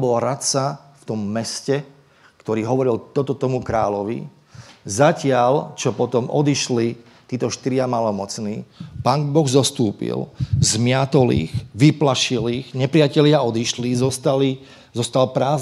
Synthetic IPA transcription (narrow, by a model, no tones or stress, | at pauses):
bɔlɾat̪sa | ft̪ɔmːɛscɛ | kt̪ɔɾiːɦɔʋɔɾilt̪ɔt̪ɔt̪ɔmukɾaːlɔʋḭ | zacɪalt͡ʃɔpɔt̪ɔmɔ̰d̪iʃli | t̪iːt̪ɔʃt̪iɾɪamalɔmɔt͡sniːpaːŋbɔɣzɔst̪uːpḭlzmɪat̪ɔlḭːɣʋiplaʃiliːɣɲɛpɾɪacɛlɪaɔd̪iʃlizɔst̪ali | zɔst̪alpɾaːz